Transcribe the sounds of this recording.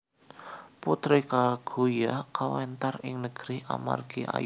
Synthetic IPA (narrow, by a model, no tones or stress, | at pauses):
put̪ɾikaɡ̥ujakawɛnt̪arɪŋnəɡ̥ɾia̰ma̰rɡiʔa̰j